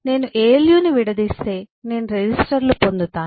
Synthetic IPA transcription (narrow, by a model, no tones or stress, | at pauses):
ne̞ːnuʔeːljuːniʋiɽɐd̪iːst̪e̞ː | ne̞ːnuɾed͡ʑisʈɐɾlupo̞nd̪ut̪aː